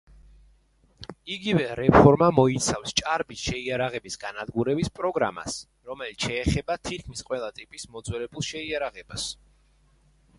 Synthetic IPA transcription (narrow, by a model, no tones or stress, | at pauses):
iɡivɛɾɛpʰɔɾmamɔit̪sʰafst͡ʃʼaɾbisʃɛiaɾaʁɛbisɡanad̪ɡuɾɛbispʼɾɔɡɾa̰ma̰s | ɾɔmɛlit̪sʰʃɛːχɛbat̪ʰit̪̚kʰmisqʼwɛlˠat̪ʼipʼismɔd̪zwɛlɛbulˠʃɛiaɾaʁɛbas